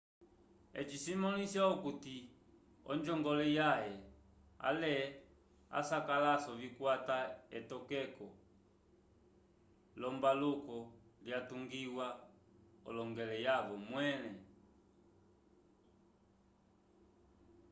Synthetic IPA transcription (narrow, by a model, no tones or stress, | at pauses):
ɛ̰t͡ʃisimɔnisjaɔkuti | ɔ̰ɲd͡ʒɔŋɡɔlɛjajɛ | a̰lɛ | a̰sakalasɔvikwataɛtɔkɛkɔ | lɔmbalukɔljatuŋɡiwa | ɔ̰lɔŋɡɛlɛjavɔmwɛnɛ